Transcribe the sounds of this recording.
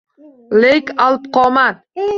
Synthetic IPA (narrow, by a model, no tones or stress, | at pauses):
lejkalˠɨpqʰɒman